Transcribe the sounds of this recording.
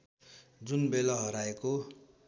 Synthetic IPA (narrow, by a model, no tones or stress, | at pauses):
d͡zunbelaɦʌɾaeko